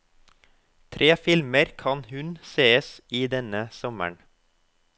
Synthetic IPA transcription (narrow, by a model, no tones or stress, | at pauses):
t̪ʰɾʔeːfɪlməɾkʰɑnhʉnseːəsiːd̪ɛnəsɔmə̰ɳ